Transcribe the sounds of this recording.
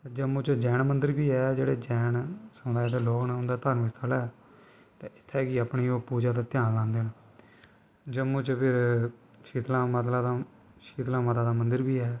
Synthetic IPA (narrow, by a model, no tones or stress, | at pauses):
d͡ʒəmːũːt͡ʃəd͡ʒɛːnmənd̪əɾbiːɛːd͡ʒeːɽeːd͡ʒɛːnsəmd̪aːeːd̪eːloːknaʊ̃nd̪aːt̪əɾnmɪst̪ʰalɛː | t̪ẽːɪt̪ʰːɛːkiːapɳiːoːpuːd͡ʒaːt̪aːt̪ɪjaːnlãːnd̪eːna | d͡ʒəmũːt͡ʃəpʰɪɾʃiːt̪lãːmət̪̬laːd̪aː | ʃiːt̪lãːmət̪aːd̪aːmənd̪əɾbiːɛː